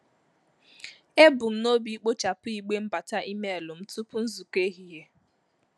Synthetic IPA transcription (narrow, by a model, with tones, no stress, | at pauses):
e˦bʊ˨n̩˦no˦bi˨i˦k͡po˦t͡ʃa˨pʊ˦i˨ɡ͡be˦m̩˦ba˨ta˦ʔi˦me˦e˨lʊ˨m̩˦tu˦pʊ˦n̩˦zu˨ke˦ɦi˨ɦe˦